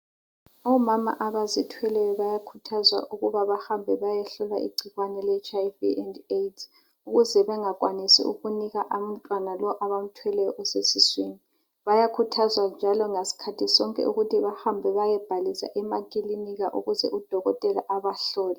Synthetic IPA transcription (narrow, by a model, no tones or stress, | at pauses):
ɔmama̰ʔaβazitʰwɛlɛjɔβajakʰutʰazwa̰ʔuɣuβaβahambʱɛβajɛɬɔlwa̰ʔḭɡ͡ǀʱiɣwanɛlɛt͡ʃʼaiviɛndetʰ | uɣuzɛβɛŋakʼwanisḭṵɣuniɣaʔam̩tʼwanalɔʔaβam̩tʰwɛlɛjɔʔɔsesisweni | βajakʰutʰazwand͡ʒʱalɔŋasi̥kʰatʰisɔŋkʼɛ̰uɣutʰiβahambʱɛβajɛb̥ʱalisa̰ʔɛmakʼiliniɣaʔṵɣuzɛ̰ʔud̥ʱɔɣɔtʼɛlaʔaβaɬɔːlɛ